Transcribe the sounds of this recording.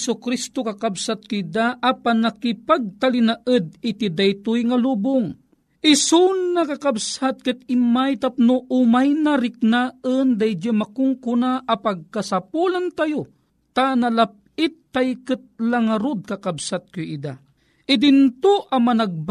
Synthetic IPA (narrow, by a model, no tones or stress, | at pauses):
sʊkɾist̪okakabsat̪̚kʊid̪aʔapanːakipaɡ̚t̪alinaʔəd̪̚ɪt̪id̪ajt̪ʊjŋaluːbʊŋ | ʔɪsʊnːakakabsat̪̚kɨt̪̚ɪmajt̪ap̚noʔʊmajnaɾɪk̚naənd̪ajd͡ʒamakʊŋkʊnaʔapaɡ̚kasapulant̪ajo | t̪analap̚ɪt̪ːajkɨt̪̚laŋaɾʊd̪̚kakabsat̪̚kʊid̪a | ʔɪd̪int̪oʔamanaɡ̚b